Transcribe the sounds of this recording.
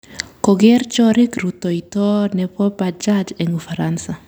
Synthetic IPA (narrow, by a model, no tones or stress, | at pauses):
kɔɡɛrt͡ʃɔɾikɾut̪oitɔnɛpɔpad͡ʒad͡ʒɛŋufaɾansa